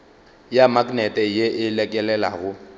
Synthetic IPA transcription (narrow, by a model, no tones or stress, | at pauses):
jamakʼnɛtʼɛjeʔɪlɛkʼɛlɛla̰ɣʊ